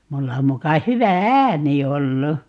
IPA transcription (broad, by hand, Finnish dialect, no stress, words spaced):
mulːɑ mukɑ hyʋæ æːni olːu